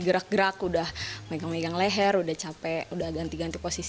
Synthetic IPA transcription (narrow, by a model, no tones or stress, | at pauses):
ɡəɾak̚ɡəɾakudahmeɡaŋmeɡaŋlɛɦɛɾudaht͡ʃapɛudahɡant̪iɡant̪iposis